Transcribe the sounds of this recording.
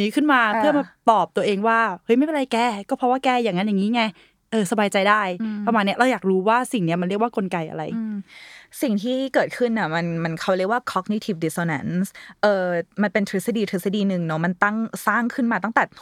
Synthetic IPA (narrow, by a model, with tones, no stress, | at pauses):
niː˦˥kʰɯ˥˩nmaː˧pʰɯ˥˩ɐmaː˧˨˩p̚t̪ɔː˨˩p̚t̪u˧ɐʔeː˧ŋwaː˥˩hɤ˦˥jma˥˩jpe˧ɾa˧jkɛː˥˩kɔː˥˩pʰɔ˧˥waː˥˩kɛː˥˩jaː˨˩ŋːa˦˥nja˨˩ŋːiː˦˥ŋa˧j | ʔɤː˧sa˧baː˧jt͡ɕa˧jdaː˥˩jpa˧maː˧nːi˦˥ɐɾa˧wjaː˨˩k̚ɾuː˦˥waː˥˩si˨˩ŋni˦˥ɐma˧nɾi˥˩k̚waː˥˩ko˧nka˧jʔa̰˧ɾa˧j | si˨˩ŋt̪ʰiː˥˩kɤː˨˩t̪̚kʰɯ˥˩nːi˧˩ma˧nma˧nkʰa˦˥˩wɾi˥˩ək̚waː˥˩kʰɔ˦˥k̚ni˧˥t̪ʰi˨˧˩p̚di˧˩soː˧na˦˥nsʔɤː˨˩ma˧npe˧nt̪ʰɾi˦˥sa˧diː˧t̪ʰɾi˦˥sa˧diː˧nɯ˨˩ŋnɔ˦˥ma˧nt̪a˥˩ŋsaː˥˩ŋkʰɯ˥˩nmaː˧a˥˩ŋt̪ɛ˨˩